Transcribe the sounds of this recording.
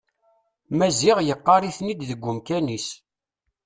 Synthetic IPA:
mæziʁjəqːɑɾiθnid̪ðəɡʷːʊmkænis

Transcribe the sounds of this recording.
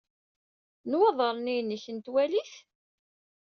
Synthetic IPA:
nwɑðˤəɾˤnijnːəçənt̪wæliθ

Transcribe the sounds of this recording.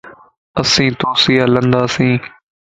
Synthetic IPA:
əsĩːt̪oːsiːaːlənd̪aːsĩː

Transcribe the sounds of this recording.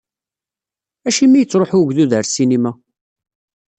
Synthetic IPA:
æʃimːijət͡sːɾoħuʝðuðəɾsinimæ

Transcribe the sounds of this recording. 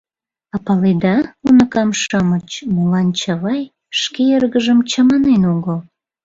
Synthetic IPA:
ɑpɑled̪ɑunəkɑmʃɑmət͡ɕmulɑnt͡ɕɑβɑj | ʃkeerɣəʒəmt͡ɕɑmɑnenoɣəl

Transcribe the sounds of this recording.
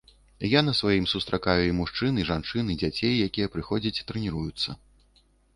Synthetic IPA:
janɐsvajimsust̪ɾʔakajuimuʂt͡ʂɨniʐant͡ʂɨnɨid͡zʲat͡sʲejjakʲijɛpɾɨxɔd͡zʲɐt͡sʲi̥t̪ɾɛnʲiɾujut̪sːɐ

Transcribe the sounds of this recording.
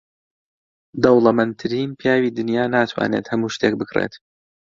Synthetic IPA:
d̪ɐwlˠɐmɐnt̪ʰɨɾiːnpʰjaːwiːd̪ɨnjaːnaːt̪ʰwa̰ːneːt̪hɐmuːʃt̪eːk̚bɨkrḛt̪

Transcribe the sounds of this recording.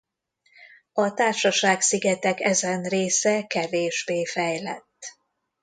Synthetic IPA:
ɒt̪aːrʃɒʃaːksiɡɛt̪ɛkɛzɛnreːsɛkɛveːʒbeːfɛjlɛ̰t̪ː

